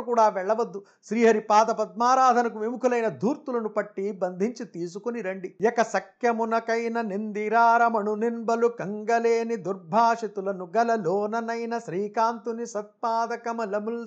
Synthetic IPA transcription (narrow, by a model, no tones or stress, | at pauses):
kuːɽaːʋɛɭːɐʋɐd̪ːu | ʃɾiːɦɐɾipaːd̪ɐpɐd̪̚maːɾaːd̪ʱɐnɐkuʋimukʰulɐjnɐd̪ʱuːɾt̪ulɐnupɐʈːibɐnd̪ʱiɲt͡ʃit̪iːs̬ukuniɾɐɳɖijɛkɐsɐkjɐmunɐkɐjnɐnind̪iɾaːɾɐmɐɳuninbɐlukɐŋɡɐleːnid̪uɾbʱaːʂit̪ulɐnuɡɐlɐloːnɐnɐjnɐʃɾiːkaːnt̪unisɐt̪̚paːd̪ɐkɐmɐlɐmul